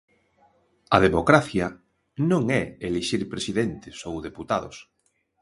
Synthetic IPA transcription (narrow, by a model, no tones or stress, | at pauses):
ɐðemokɾaθjɐ | nõŋɛeliʃiɾpɾesiðent̪ɪsowðeput̪aðʊs